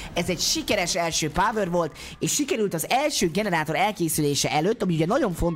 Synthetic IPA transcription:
ɛzɛcʃikɛɾɛʃɛlʃøːpaːvørʋo̞lt̪ | eːʃʃikɛɾylt̪ɒzɛlʃøːɡɛnɛɾaːt̪o̞ɾɛlkeːsyleːʃɛʔɛløt̪ːɒmiuɟɛnɒɟo̞ɱfo̞nt

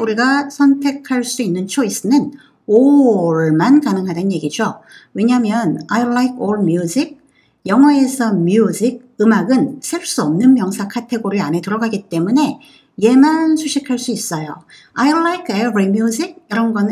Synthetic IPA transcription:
uɾiɡasʰʌntʰe̞kʰaɭs͈uinːɯnt͡ɕʰois͈ɯnɯn | oɭmankanɯŋɦadanje̞ɡid͡ʑowe̞ɲamjʌnaiɭːaikʰoɭmjud͡ʑik̚ | jʌŋɦwae̞sʰʌmjud͡ʑik̚ɯmaɡɯnsʰeɭs͈uʌmnɯnmjʌŋsʰakʰatʰe̞ɡoɾiane̞tɯɾʌɡaɡit͈e̞mune̞ | je̞mansʰuɕʰikʰaɭs͈uis͈ʌjo | aiɭːaikʰebɾimjud͡ʑik̚iɾʌnɡʌn

